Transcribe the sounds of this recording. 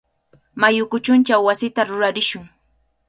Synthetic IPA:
majʊkʊt͡ʃʊnt͡ʃawːasɪt̪aɾʊɾaɾɪʃʊŋ

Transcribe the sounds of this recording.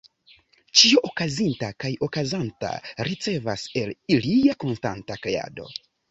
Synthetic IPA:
t͡ʃio̞ʔokazintakajo̞kazanta̰ɾit͡se̞vase̞liliako̞nsta̰ntakɾe̞a̰do̞̰

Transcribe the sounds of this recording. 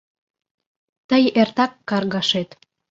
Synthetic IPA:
t̪əjert̪ɑkːɑrɣɑʃet̪

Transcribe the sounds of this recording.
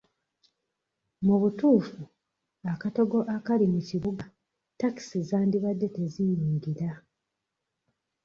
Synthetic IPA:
muβutuːfu | akato̞ɡo̞ʔakalimuciβuɡa | taki̥sizaːndiβadːe̞te̞zijuːŋɡiɾa

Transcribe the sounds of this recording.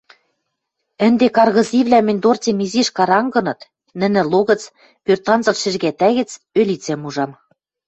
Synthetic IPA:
ɘ̆nd̪ekɑrɣɤ̆ziβlæmɘ̆nʲd̪ort͡sʲemiziʃkɑɾɑŋɡɤ̆nɤ̆t̪ | nɘ̆nɘ̆loɣɤ̆t͡s | pørt̪ɑnzɤ̆lʃɘ̆ʒɣæt̪æɣɘ̆t͡s | ølʲit͡semuʒɑm

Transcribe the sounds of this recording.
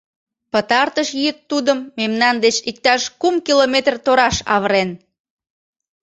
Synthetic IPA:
pət̪ɑrt̪əʃjiət̪ːud̪əmːemnɑnd̪et͡ɕik̚t̪ɑʃkumkilomet̪rt̪oɾɑʃɑ̰βəɾen

